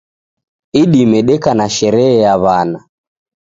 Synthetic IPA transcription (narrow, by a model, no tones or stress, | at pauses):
iɗimɛɗɛkanaʃɛɾɛɛjaβana